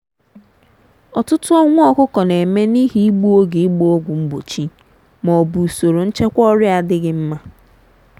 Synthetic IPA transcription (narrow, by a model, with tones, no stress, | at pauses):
ɔ˨tʊ˦tʊ˦ɔ˦ŋʷʊ˦ɔ˨kʊ˦kɔ˨ne˨me˦ni˦ɦi˨˦i˦ɡ͡bu˦o˦ɡe˨i˦ɡ͡bu˦o˦ɡʷʊ˨ŋ͡m̩˦ɡ͡bo˨t͡ʃi˦ | mɔ˨bu˨so˨ɾo˨n̩˦t͡ʃe˦kʷɔ˦ɾɪ˦a˨dɪ˦ɡɪ˦m̩˦ma˦